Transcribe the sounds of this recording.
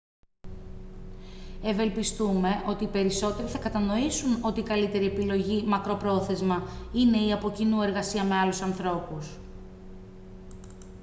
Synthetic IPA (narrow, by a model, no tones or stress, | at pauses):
e̞ve̞lpist̪ume̞ʔo̞t̪iːpe̞ɾiso̞t̪e̞ɾiθɐkɐt̪ɐno̞isuno̞t̪iːkɐlit̪e̞ɾie̞pilo̞ʝimɐkɾo̞pɾo̞θe̞zmɐine̞iɐpo̞cinue̞ɾɣɐsiɐme̞ɐlusɐnθɾo̞pus